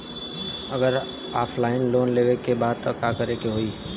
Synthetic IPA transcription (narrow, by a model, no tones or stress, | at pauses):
ɐɡəɾ | aːpʰlaːɪnloːnleːʋekebaːd̪̚t̪okakəɾekeɦoiː